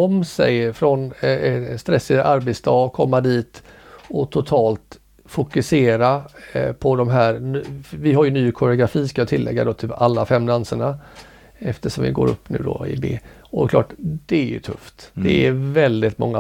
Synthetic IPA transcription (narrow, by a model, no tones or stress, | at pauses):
ɔmsɛ̰jfɾɔnɛst̪ɾɛsːɪd̪aɾbɛt̪sd̪ɑːkʰɔmːad̪iːt̪ɔt̪ʰʊt̪ʰɑːlt̪ | fʊkɵseːɾapʰɔd̪ɔmɦæːɾnvɪɦaɾjɵnyːkʰʊɾɪʊɡɾafiːskajʊt̪ʰɪlːɛ̰ɡːad̪ot̪ʰyalːafɛmːd̪ansəɳa | ɛft̪əʂɔmvɪ̰ɡo̰ːɾɵ̰pːnʉ̟̰ːd̪ɔ̰ɪ̰bḛː | ɔdɛkʰlɑ̰ːʈd̪̥ɛæɾjɵ̰t̪ʰɵ̰ft̪d̪̥ɛævɛld̪ɪt̪mɔ̰ŋːa